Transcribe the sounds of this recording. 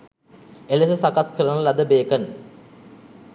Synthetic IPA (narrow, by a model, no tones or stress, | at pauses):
elesəsakat̪kəɾənəlɐd̪əbeːkən